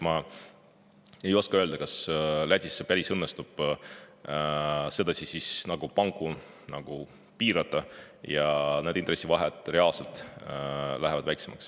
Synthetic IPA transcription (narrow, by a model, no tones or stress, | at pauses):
mɑ | e̞jo̞skɑøld̪ɑkɑslæd̪ʲisːepæɾisɤnːest̪ub̥ | se̞d̪̥ɑsʲisisnɑɡ̥upɑŋɡu | nɑɡ̥u | piːɾɑd̪ˑɑ | jɑned̪inre̞sʲːivɑɦet̪ːˑre̞ɑlse̞lt̪ˑ | læɦevɑd̪̥væjkse̞mɑ̰ks